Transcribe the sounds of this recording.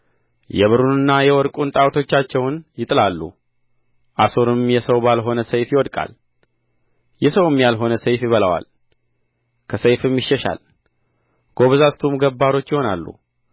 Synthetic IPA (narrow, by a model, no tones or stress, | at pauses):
jɛβɨɾunɨnːajɛwɔɾkʼunt̪ʼawt̪ʰo̞t͡ʃːat͡ʃːɛwnjɪt̪ʼɨlalːṵ | ʔaso̞ɾɨmjɛsəwbalɦo̞nəsəjfjɪwɔd̪kʼa̰l | jɛsəwɨmːjalɦo̞nəsəjfjɪβələwa̰l | kʰəsəjfɨmjɪʃːɛʃa̰l | ɡ̥o̞βzast̪ʰumɡəbːaɾo̞t͡ʃːjɪho̞na̰lːṵ